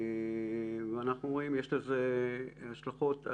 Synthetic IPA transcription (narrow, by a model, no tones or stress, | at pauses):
veanaχnuʁoimjeʃlezehaʃlaχo̞t̪